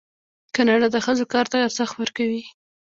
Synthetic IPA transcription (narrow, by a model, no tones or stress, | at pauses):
kanɑɽad̪əxəzokɑɾt̪aɡaɾsaxt̪wəɾkawi